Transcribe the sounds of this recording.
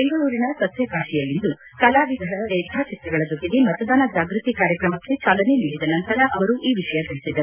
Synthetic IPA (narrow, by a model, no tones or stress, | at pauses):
be̞ŋɡɐɭuːɾinɐsɐt̪jɐkaːʂijɐlːind̪u | kɐlaːʋid̪ʱɐɐeːd̪ʱaːt͡ʃit̪ɾɐɡɐɭɐd͡ʒokːid̪imɐt̪ɐd̪aːnɐd͡ʒaːɡɾit̪ikaːɾjɐkɾɐmɐkːe̞t͡ʃaːlɐneniːɽid̪ɐnɐnt̪ɐɾɐʔɐʋɐɾuʔiːʋiʂɐjɐt̪iɭisid̪ɐ